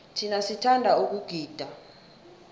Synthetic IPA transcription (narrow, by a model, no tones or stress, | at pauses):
tʰinasitʰandʱauk̬uɡ̥ʱiːd̥ʱa